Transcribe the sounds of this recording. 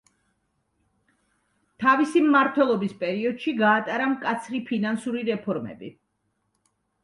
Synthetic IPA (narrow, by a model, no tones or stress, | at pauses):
t̪ʰavisimːaɾt̪ʰwɛlˠɔbispʼɛɾiɔd̪̥ʃiɡaːt̪ʼaɾamkʼat̪sʰɾipʰinansuɾiɾɛpʰɔɾmɛ̰bḭ